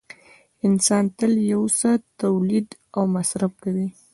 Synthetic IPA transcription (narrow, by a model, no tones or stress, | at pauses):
ɪnsɑnt̪əljawsət̪awlid̪awmasɾafkawi